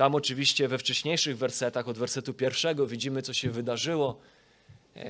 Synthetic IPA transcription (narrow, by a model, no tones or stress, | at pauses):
t̪amɔt͡ʂɘvʲiɕt͡ɕɛvɛft͡ʂɛɕɲejʂɘɣvɛɾsɛt̪axɔd̪vɛɾsɛt̪upʲjɛɾfʂɛɡɔvʲid͡ʑimɘt̪ɔɕɛvɘd̪aʐɘwɔ